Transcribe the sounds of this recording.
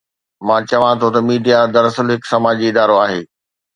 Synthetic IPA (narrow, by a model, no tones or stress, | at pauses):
mãːt͡ɕɐʋãt̪ʰot̪ɐmiːɖijad̪ɐɾɐsəlɦɪksɐmaːd͡ʑiɪd̪aːɾoaːɦeː